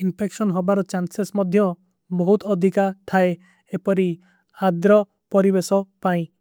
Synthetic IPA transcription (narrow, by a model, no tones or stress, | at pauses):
inpʰeksɔnɦobaɾɔt͡ʃansesmɔd̪ʱjɔ | bɔɦut̪ɔd̪ʱikaʈ̪ʰae | epɔɾi | ad̪ɾɔ | pɔɾibesɔpaĩ